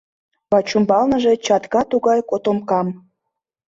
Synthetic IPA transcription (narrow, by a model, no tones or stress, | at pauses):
βɑt͡ɕumbɑlnə̆ʒet͡ɕɑt̪kɑt̪uɣɑjkot̪omkɑm